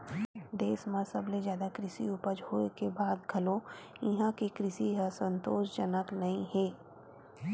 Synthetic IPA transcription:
ɖ̪eːsmãsɐbled͡ʒjaːd̪akɾɪsḭʊpəd͡ʒɦoːekebaːd̪ɡʱɐlõ | ɪɦãkekɾɪsiɦasə̃nt̪oːʃd͡ʒənəknɐɦĩɦɛː

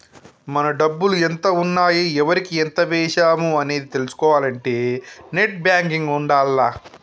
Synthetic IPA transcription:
mɐnɐɖɐbːuluɛnt̪ɐunːaːjiɛʋɐɾikiɛnt̪ɐʋɛːʃaːmuɐne̞ːd̪it̪e̞lusu̥kɔːʋaːlɐɳʈe̞ːne̞ʈ̚bjaːŋkiŋɡuɳɖaːlːaː

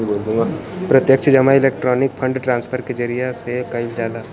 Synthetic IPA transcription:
boːld̪ũŋɡapɾɐt̪jəkt͡ʃʰəd͡ʒɐmaɪleːk̚ʈɾɔːnɪk̚pʰə̃ɳɖʈɾãːnspʰəɾked͡ʒəɾijasekɐɪld͡ʒaːla

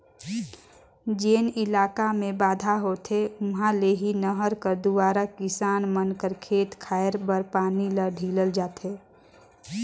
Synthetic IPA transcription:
d͡ʒeːnɪlaːkamẽbaːd̪ʱaɦoːt̪ʰeʊnɦãleɦinəɦəɾkəɾd̪ʊwaːɾakɪsaːnmənkəɾkʰeːt̪kʰaːəɾbəɾpaːniləɖʱiːləld͡ʒaːt̪eː

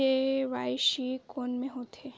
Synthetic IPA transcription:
eʋaːjʃikoːnmẽɦoːt̪e

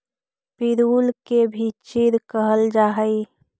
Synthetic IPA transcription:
piɾuːlkebʱit͡ʃɪɾkəɦəld͡ʒaːɦəi

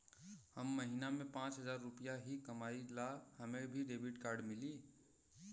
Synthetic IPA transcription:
həmːəɦinamẽpãːt͡ʃɦəzaːɾːʊpijaɦikəmaːilahəmẽbʱiɖeːbʱiʈkaːɾɖmɪli

